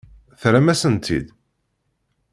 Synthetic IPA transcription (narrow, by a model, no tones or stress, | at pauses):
θɾæmæsənt̪ʰḭd̪